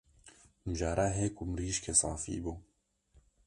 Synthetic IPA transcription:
mɨʒaːɾaɦekumɾiːʃkʰesɑ̰ːfḭːbuː

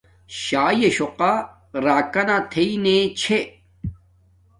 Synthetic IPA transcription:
ɕaːjeɕoqa | ɾaːkɐnat̪ʰeinet͡ɕʰe

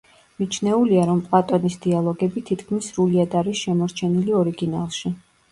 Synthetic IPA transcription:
mit͡ʃʰnɛuliaɾɔmpʼlˠat̪ʼɔnisd̪ialˠɔɡɛbit̪ʰit̪ʰkʰmisɾuliad̪aɾisʃɛmɔɾt͡ʃʰɛniliɔɾiɡina̰lˠʃi

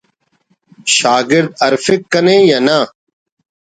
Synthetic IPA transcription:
ʃaːɡɪɾd̪̚əɾfɪkːənẽːjaːna

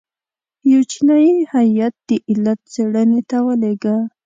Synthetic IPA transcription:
jawt͡ʃinɑjinɪhaat̪̚d̪̥əʔɪlːat̪̚t͡seɽənet̪awəleɡa

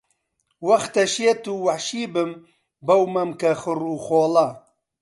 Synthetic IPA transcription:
wɐxt̪ɐʃeːt̪uːwɐħʃiːbɨm | bɐwmɐmkɐxɨruːxoːlɐ

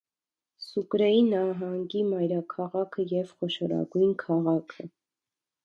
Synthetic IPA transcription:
sukɾɛjinɑɦɑŋɡimɑjɾɑkʰɑʁɑkʰəjɛvχɔʃɔɾɑ̰ɡujnkʰɑʁɑkʰə

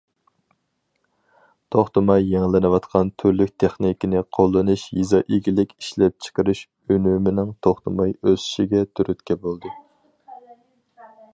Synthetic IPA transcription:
t̪ʰoχt̪ɨmɑjːeŋlˠɪnɨwɑt̪qʰɑnt̪ʰyɾlyk̚ʲt̪ʰeχnikʲinɪqʰolˠːɨnuʃjizɑʔiɡʲilɪkʲiʃlɛp̚t͡ʃʰə̥qəɾyʃ | ønymɪnɪŋt̪ʰoχt̪ɨmɑjøzy̥ʃiɡʲɛt̪ʰyɾyt̪kʲɛbolˠd̪ɨ

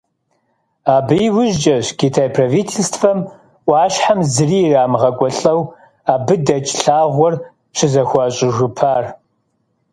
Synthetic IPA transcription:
aːbɨjwʊʒt͡ʃʼɐɕkʰiːtʰaːjpʰrɐvitʰeːstʰfɐm | ʔʷɑːɕħamzɨriːraːmʁɐkʷʼɔɬʼɐw | aːbɨdɐt͡ʃʼɬaːʁʷɔr | ʃɪzɐxʷɑɕʼɪʒʷʊpʰaːr

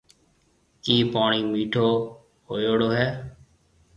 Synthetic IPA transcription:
kiːpaːɳiːmiːʈʰoː | hoːjoːɽoːɦɛː

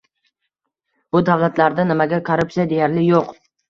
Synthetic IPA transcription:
b̥ʊd̪avlˠat̪ʰlaɾd̪anɪmaɡʲakʰoɾʊpsijad̪ejaɾlɪjoq

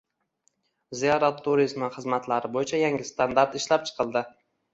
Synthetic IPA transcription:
zijɑɾat̪ʰːuɾizmɪχɨzmat̪laɾɪbojɪt͡ʃʰajaŋʲɪst̪ʰand̪aɾt̪ɪʃlap̚t͡ʃʰɨ̥qʰɨlˠd̪ɪ

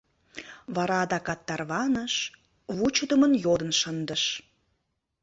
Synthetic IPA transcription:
βɑɾɑd̪ɑkɑt̪ːɑrβɑnəʃ | βut͡ɕəd̪əmənjod̪ənʃənd̪əʃ

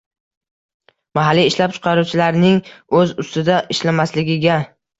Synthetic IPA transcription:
maɦalːiːʃlap̚t͡ʃʰɨ̥qʰɑɾut͡ʃʰɪlaɾnɪŋɵzʊst̪ɪd̪aʔɪʃlamaslɪɡʲɪɡʲa

